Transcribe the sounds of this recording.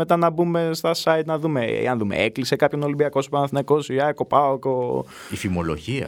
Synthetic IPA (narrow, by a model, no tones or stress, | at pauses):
me̞t̪ɐnɐbume̞st̪ɐsɐit̪nɐðumḛɐnðume̞̰eklisekɐpçono̞limbiɐkosu̥pɐnɐθinekosujɐkopɐoko | ifimo̞lo̰ʝiɐ̰